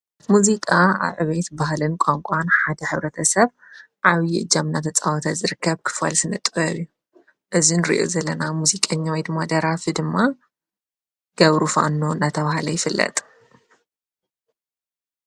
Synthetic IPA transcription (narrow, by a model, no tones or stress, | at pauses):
muzikʼaa̰βʕɨβet̪baɦlɨnkʷʼaŋkʷʼanħad̪ɐħɨβɾɐt̪ʰɐsɐβ | ʕaβjiɨd͡ʒamnat̪ʰɐt͡sʼawɔt̪ʰazɨɾɨkʰːɐβkʰɨ̥fa̰lsɨnɨt̪ʼɐjju | ʔɨzinɾḭʔo̰zɐlːɐnamuzikʼɐɲːawijd̪ɨmːad̪ɐɾafid̪ɨmːa | ɡ̥ɐβɾufa̰nːonat̪ʰɐβahlɐjɪfɨlːɐ̰t̪ʼ